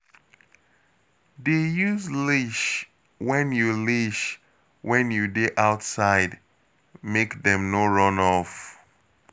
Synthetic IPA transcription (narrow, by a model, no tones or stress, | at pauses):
dejuzliʃ | wɛ̃njuliʃ | wɛ̃njudeʔaʊtsaɪd | mekðɛ̃mnoɹɔ̃nɔf